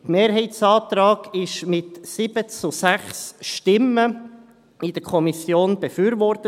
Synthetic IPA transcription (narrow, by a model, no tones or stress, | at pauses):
tmeːɾɦɛɪtsɑːt̪ɾɑːɡ̥ɪʃmɪtsɪb̥ət͡susæχsʃtɪmə | id̥əkʰɔmisjoːnb̥ɛfyːɾvɔrtə